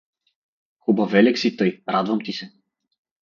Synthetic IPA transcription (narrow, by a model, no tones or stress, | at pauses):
xubavɛlɛksit̪ɔjɾad̪vamt̪isɛ